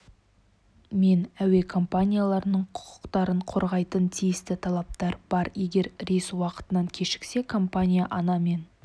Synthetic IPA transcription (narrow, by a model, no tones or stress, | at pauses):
me̞næwe̞kʰo̞mpanʲijalˠɑɾnəɴqʰʊ̥qə̥qt̪ɑɾəɴqʰo̞ɾʁɑjt̪ənt̪ʰijɪst̪ɪt̪ʰɑlˠɑp̚t̪ɑɾb̥ɑɾje̞ɡʲe̞ɾɾeswɑqə̥t̪ənɑŋkʲʰe̞ʃɪ̥kse̞kʰo̞mpanʲijaʔɑnɑme̞n